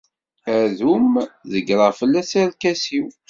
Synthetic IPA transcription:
æðumðəɡɾˤəʁfəlːæsæɾkæsiw

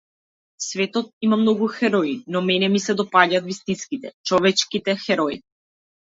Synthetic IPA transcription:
svɛt̪ɔt̪̚imamnɔɡuxɛɾɔinɔmɛnɛmisɛd̪ɔpaɟat̪vist̪inskit̪ɛt͡ʃɔvɛt͡ʃkit̪ɛxɛɾɔi

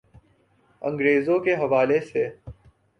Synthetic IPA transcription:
ə̰̃ŋɡɾeːzõkeɦɐʋaːlese

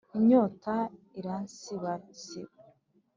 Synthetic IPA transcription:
iɲoːta | iɾansiβat͡si

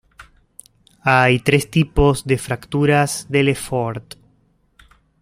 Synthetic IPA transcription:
ajt̪ɾest̪ipozðefɾakt̪uɾazðelefoɾt̪

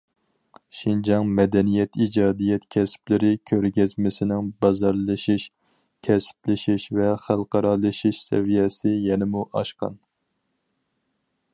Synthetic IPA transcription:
ʃind͡ʒɑŋmɛd̪ɛnijɛt̪ʰid͡ʒɑːd̪ijɛt̪kʲʰɛsɪ̥plɪɾɪkʲʰøɾɡʲɛzmɪsɪnɪŋbɑzɑɾlˠɨʃiʃ | kʲʰɛsɪ̥plɪʃiʃvɛχælˠqɑɾɑːlˠɨʃiʃsɛ̰vijɛsɪjɛnɪmuʔɑʃqɑ̰n

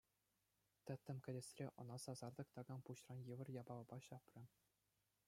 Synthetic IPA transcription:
t̪ʲɘ̆t̪ʲːɘ̆mkʲɘ̆dʲɘ̆sʲrʲeʔɤ̆nɑsɑzɑrd̪ɤ̆kt̪ɑɡɑnpuɕrɑnjɯʋɤ̆rjɑbɑlɤ̆bɑɕɑprʲɤ̆

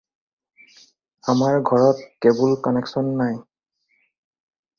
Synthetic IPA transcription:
amaɹɡʱɔɹɔt̚kebulkɔneksɔnːaj

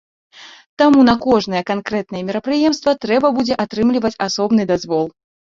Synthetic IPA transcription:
t̪amunɐkɔʐnɐjɛkankɾɛt̪nɐjɛmʲiɾɐpɾɨjɛmst̪vɐt̪ɾɛbɐbud͡zʲɛʔat̪ɾɨmlʲivɐt͡sʲasɔbnɨd̪azvɔlˠ

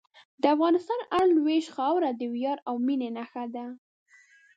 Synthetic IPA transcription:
d̪əafɣɑnɪst̪ɑnaɽlweʃxɑwɾad̪əwjɑɾawminenaxad̪a

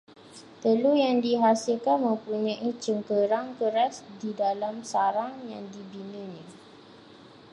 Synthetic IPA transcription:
t̪əlujaŋdiɦasilkanmə̃mpuɲãʔit͡ʃəŋkəɾaŋkəɾasdidalamsaɾaŋjaŋdibinə̃ɲə̃

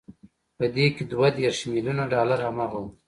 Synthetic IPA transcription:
pəd̪eked̪wad̪eɾʃmɪljunaɖɑlaɾhamaɣu

